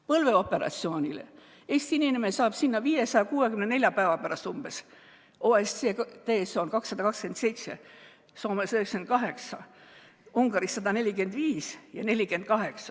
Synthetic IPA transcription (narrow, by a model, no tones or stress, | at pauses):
pɤlve̞o̞pːe̞ɾɑ̰t̪sio̞ːnʲilḛ | e̞ːsʲt̪iininemesɑːb̥sinːɑviːjesɑjɑkuːe̞kymne̞ne̞lʲjɑpæːvɑpæɾɑst̪umb̥e̞s | oːest̪et̪eːsoːnkɑksːɑd̪ɑkɑkske̞nd̪se̞jt̪se̞̰ | so̞ːmesøhekskenkɑɦe̞ksɑ | uŋɡ̥ɑɾisːɑd̪̥ɑne̞lʲike̞nd̪viːsjɑne̞lʲike̞nd̪̥̚kɑɦe̞ksɑ